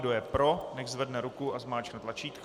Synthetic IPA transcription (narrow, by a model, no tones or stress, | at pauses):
dojɛpɾo̞nɛxzvɛdnɛɾukuʔazmaːt͡ʃknɛt̪lat͡ʃiːt̪k